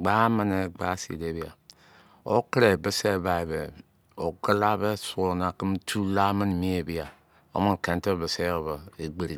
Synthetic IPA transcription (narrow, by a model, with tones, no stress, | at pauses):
ɡ͡ba˦mə˦ne˨ɡ͡ba˦sḭ˨de˦bi˨a˨ | o̰˦kɾe˨bə˦se˦˨˦ba˨e˨βe˨ | o˨kə˦la˦be˦su˦˨na˨ki˦m˦tʰu˦la˦mə˦n˨mi˦e˨bi˨a˨ | o̰˦mo˦n˨ke˨n˦te˦˨bə˨se˦˨ba˨e˨ɡ͡be˨ɾi˨